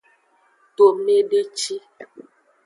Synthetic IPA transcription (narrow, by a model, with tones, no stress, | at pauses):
to˨me˦ɖe˦t͡ʃi˦